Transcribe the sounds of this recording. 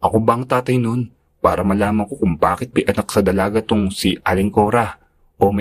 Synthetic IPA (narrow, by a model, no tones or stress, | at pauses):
ʔɐkobɐʔɐŋt̪aːt̪ɐjno̞n | paːɾɐmɐlaːmɐŋko̞kʊŋbaːkɪt̪̚pɐjʔɐnak̚sɐd̪ɐlaːɡɐt̪ʊŋsiʔalɪŋko̞ːɾɐ | ʔomɐ